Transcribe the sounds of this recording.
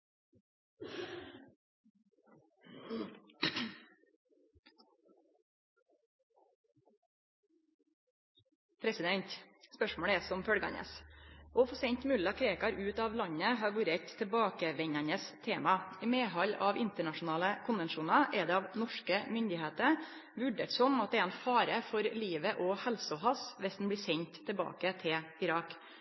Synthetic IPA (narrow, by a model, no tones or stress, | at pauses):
pʰɾɛsɪd̪ɛɲt̪spœʂmoːɽəɛːsɔmfœɽɡɑ̰nə̰sɔfɔsɛnt̪mʉlɑkʰɾeːkɑɾʉːt̪ɑːʋlɑɲəɦɑːɾʋʉːɾɛt̪ʰːɛlbɑːkəʋɛɲɑɲəst̪ʰeːmɑɪmeːɦɑlːɑʋɪnt̪əɳɑʂʊn̩ɑːləkʰʊnʋɛnʃuːnɑʔɛd̪ɛːɑʋnɔʂkəmʏnd̪ɪheːt̪əɾ | ʋʉɖḛːʈ̪sɔmɑt̪̚d̪ɛːɛnfɑːɾəfɔɾliːʋəʔɔhɛlsɔɦɑsʋɛsd̪n̩bliːsɛɲt̪ʰːɛbɑ̰ːkət̪ʰɪlɪɾɑːk